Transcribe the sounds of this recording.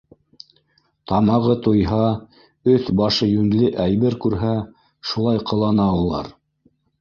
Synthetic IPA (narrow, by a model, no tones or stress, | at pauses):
t̪ɑmɑʁɤt̪ŏjɦɑ | ɵθbɑʃɤjʉŋlɘʔæjβɘɾkʉɾɦæ | ʃulˠɑjqɤ̆lˠɑnɑulˠɑ̰ɾ